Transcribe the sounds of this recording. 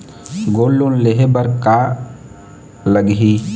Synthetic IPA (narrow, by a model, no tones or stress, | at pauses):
ɡoːlːonleɦebəɾka | ləɡɦiː